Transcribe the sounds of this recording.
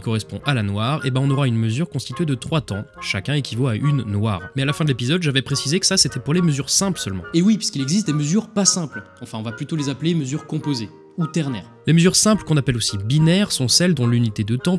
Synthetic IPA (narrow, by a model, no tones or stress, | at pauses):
ikɔʁɛspɔ̰̃ʔalanwaʁḛbɛ̃ɔ̃nɔʁaynməzyʁkɔ̃st̪it̪ɥed̪ət̪χwat̪ɑ̃ʃakʲɛ̃ekʲivoaʔynːwaːʁmɛalafɛ̃d̪əlepizɔd̪ʒavɛpχesizekə̥saset̪ɛpuʁleməzyʁsɛ̃plsœlmɑ̃ewipɥiskilɛɡzist̪̚d̪eməzyʁpasɛ̃plɑ̃fɛ̃ɔ̃vaplyt̪olezapleməzyʁkɔ̃poze | ut̪ɛʁnɛ̰ʁleməzyʁsɛ̃plkɔ̃napɛlosibinɛʁsɔ̃sɛld̪ɔ̃lynit̪ed̪ət̪ɑ̃